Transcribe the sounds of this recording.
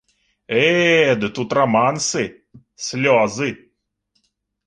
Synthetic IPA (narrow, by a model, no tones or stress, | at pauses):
ed̪ɨt̪ut̪ramansɨ | sʲlʲɔzɨ